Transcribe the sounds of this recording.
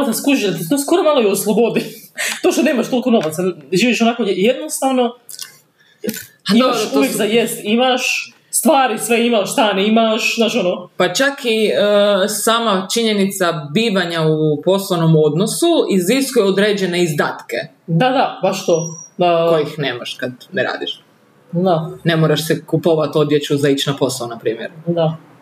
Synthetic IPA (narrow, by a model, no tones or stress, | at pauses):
t̪askuʒid̪aklet̪osko̞ɾomalˠoioslˠobod̪it̪o̞ːʃt̪one̞imaʃt̪olikono̞ʋat̪saʒiːʋiʃonakojjed̪nost̪aːʋno̞ | imaʃuʋjekd̪ajest̪imaʃ | st̪ʋaːɾisʋeimaʃst̪aːnimaʃnaːʃonopat͡ʃakʰiəsaːmat͡ʃiɲe̞nit̪sabiːʋaɲaupo̞slˠono̞mo̞d̪nosuiziskujɛod̪ɾeːd͡ʒeneizd̪aːt̪ke̞̰ | d̪ad̪abaʃt̪od̪akojixneːmaʃkad̪neɾa̰ːd̪iʃ | d̪ane̞moɾaʃsekupoʋat̪o̞d̪jet͡ɕuzait͡ɕnapo̞saonapɾiːmjeɾd̪a